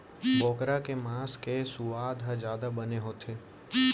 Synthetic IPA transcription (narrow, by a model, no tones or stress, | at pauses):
boːkɾakemãːskesuʋaːd̪ʱad͡ʒjaːd̪abəneɦot̪ʰeː